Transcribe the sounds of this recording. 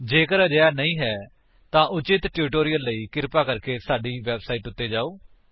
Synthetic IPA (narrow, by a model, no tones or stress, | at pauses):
d͡ʒeːkəɾd͡ʒəjaːnəĩːɦɛː | t̪ãːʔʊt͡ʃɪt̪ʈjuːʈoːɾijəlːəiːkɪɾpaːkəɾkeːsaːɖiːʋɛːbsaːiːʈʊt̪ːeːd͡ʒaːoː